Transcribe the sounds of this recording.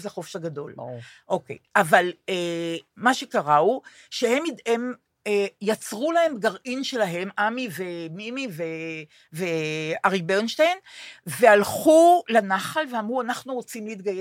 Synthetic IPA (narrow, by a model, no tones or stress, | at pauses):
zeχofʃhaɡado̞loʔo̞kejʔavalemaʃe̞kaʁau | ʃehe̞midem | ejat͡sʁulahe̞mbɡaʁʔinʃe̞laɦe̞mʔamivemimive | veaʁibenʃtejnve̞alχulanaχalveamʁuanaχnuʁot͡simleit̪̚ɡaje